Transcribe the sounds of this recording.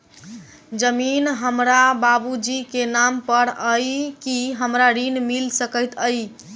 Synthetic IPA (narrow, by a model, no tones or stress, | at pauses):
d͡ʒəminɦəmɾababud͡ʒikenampəɾəjkiɦəmɾaɾinmilsəkəjt̪ʰəj